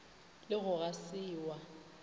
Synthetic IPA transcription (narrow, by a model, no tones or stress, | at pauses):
lɪɣʊɣasɪːwa